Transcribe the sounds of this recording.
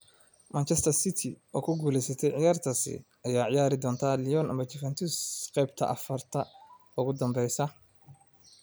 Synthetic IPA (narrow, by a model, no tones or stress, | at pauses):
mʔant͡ʃɛst̪ʰɐrsɪt̪ʰɪʔɔːkʰʊɡuːlɛjsɐt̪ʰɛjʕɪjaːrt̪ʰɐsɪ̰ | ɐjaːʕɪjaːɾɪd̪ɔːnt̪ʰaːlɪjɔnɐ̰mɐt͡ʃʰɪfɛnt̪ʰusqɛjb̚t̪ʰɐ̰ʔɐfɐrt̪ʰɐ | ʊɣʊd̪ɐmbɛjsɐ